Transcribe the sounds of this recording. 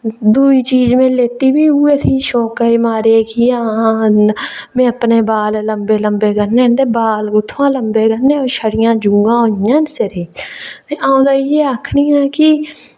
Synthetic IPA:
d̪uːiːt͡ʃiːd͡ʒmẽːleːt̪iːbiːɦʊːeːt̪ʰiːʃɔːkaiːmaːɾeːkijãːnmẽːəpneːbaːlləmbeːləmbeːɡəɾnẽːd̪eːbaːlɡʊt̪ʰːʋãːləmbeːɡənẽːoːɾʃəɽɪjãːd͡ʒũːɡãːɦʊjãːnseɾeːeãːũːd̪aːijeːakʰniːãːkɪ

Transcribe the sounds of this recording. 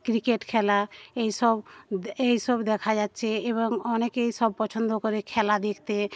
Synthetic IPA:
kɾikeʈkʰɛlaeisɔbeisɔbd̪ekʰad͡ʒad̪t͡ʃʰeːβɔŋɔnekeisɔb̚pɔt͡ʃʰənd̪okɔɾekʰɛlad̪ekʰt̪e

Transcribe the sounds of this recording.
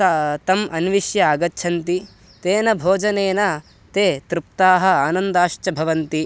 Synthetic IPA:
t̪ɐmʔɐnʋiʃjɐaːɡɐtːʃʰɐnt̪i | t̪eːnɐbʱoːd͡ʒɐneːnɐ | t̪eːt̪ɾup̚t̪aːɦɐ̆aːnɐnd̪aːʃt͡ʃɐbʱɐʋɐnt̪i

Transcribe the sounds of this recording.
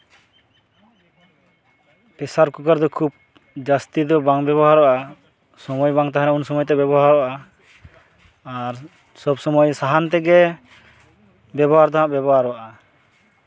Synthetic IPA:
pɛsaɾkukaɾd̪ɔkʰub̚ | d͡ʒast̪id̪ɔbaŋbjɛbɔɦaɾɔʔa | sɔmɔjbaŋt̪aɦaɾɛunsɔmɔjt̪̬ɛbjɛbɔɦaɾɔʔa | ɾ | sɔbsɔmɔjsaɦant̪̬ɛɡɛ | bɛbɔɦaɾd̪aãʔbjɛbɔɦaɾɔwaʔa

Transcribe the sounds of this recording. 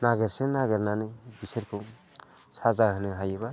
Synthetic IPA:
naɡɯɾsenaɡɯɾnanɯbisɯɾkʰuŋ | sazaɦhanɯɦajɯba

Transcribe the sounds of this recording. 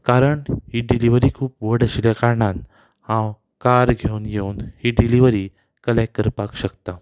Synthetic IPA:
kaɾəɳɦiɖiliʋəɾiːkʰuːpʋəɽəɕiljakaɾɳan | hãw | kaɾɡʱewnjewnhiɖiliʋəɾi | kəlekkəɾpakɕəkt̪a

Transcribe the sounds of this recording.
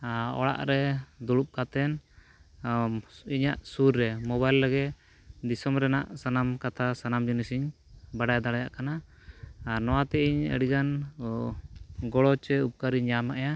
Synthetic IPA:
ɔ̰ɽa̰ʔɾɛd̪ɔɽup̚kat̪ɛn | iɲaʔsuɾːɛmɔbajlːəɡɛ | d̪isɔmɾɛnaʔsanamkat̪ʰasanamd͡ʒunisiɲ | baɽajad̪aɽajaʔkanaː | ɾnɔwat̪ɛiɲə̰ɽiɡan | ɡɔɽɔt͡ʃɛup̚kaɾiɲamaʔaja

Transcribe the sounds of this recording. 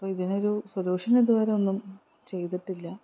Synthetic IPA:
ɐpːoːiðino̞ɾusoluːʂɐneðuʋɐːɾeo̞nːum | t͡ɕe̞jt̪iʈːilːɐ

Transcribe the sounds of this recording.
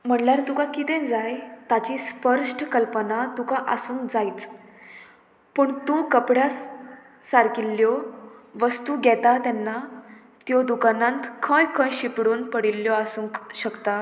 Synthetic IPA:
m̤əɳljaɾt̪ukakit̪ɛ̃d͡zajt̪at͡ɕispəɾʂʈkəlpənat̪ukaʔəsũːŋkd͡zait͡s | pəɳt̪ũkəpɽjas | saɾkilːjɔʋəst̪uɡɛt̪at̪ɛnːa | t̪jɔd̪ukanãnt̪kʰə̃jkʰə̃jɕipɽuːnpəɽilːjɔasũːŋkɕəkt̪a

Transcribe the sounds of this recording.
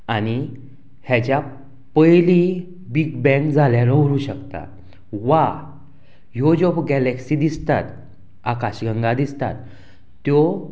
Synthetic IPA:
añi | hjat͡ɕja | pəjli | biɡbɛ̃kd͡zʱaljaɾɔ̃ɦuɾuːɕəkt̪a̰ | ʋa | jod͡ʑɔpɡɛlɛksid̪ist̪a̰t̪ | akaɕɡə̃ŋɡad̪ist̪a̰t̪ː | jɔ

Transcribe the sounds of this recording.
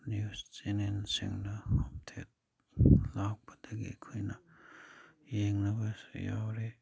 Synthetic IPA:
njust͡ʃenensḭŋnɐhomtʰḛt̚ | lak̚pɐ̥dɐɡḭɐkʰojnɐ | jeŋnɐbɐsja̰wɾe

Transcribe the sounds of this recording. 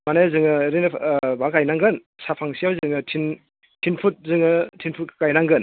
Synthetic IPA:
manajazɯŋɯɾinɯbakajnaŋɡɯn | sapʰaŋsijawzɯŋɯtʰin | tʰinpʰut̚zɯŋɯtʰinpʰut̚kajnaŋɡɯn

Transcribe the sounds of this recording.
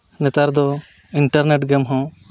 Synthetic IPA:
nɛt̪aɾd̪ɔ | iɳʈaɾneʈɡɛmɦɔ̃

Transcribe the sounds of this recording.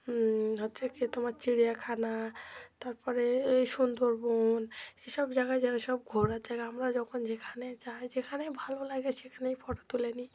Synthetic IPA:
ɦɔtːsʰaket̪ɔmaɾt͡ʃiɽijakʰanat̪aɾpɔɾeejsund̪oɾbɔneʃɔbd͡ʒaɡad͡ʒaɡasɔb̚ɡʱɔɾad͡ʒaɡaɦamɾad͡ʒɔkʰɔnd͡ʒekʰanet͡ʃaed͡ʒekʰanebʱalolaɡɛsekʰanejpʰɔʈɔt̪uleni

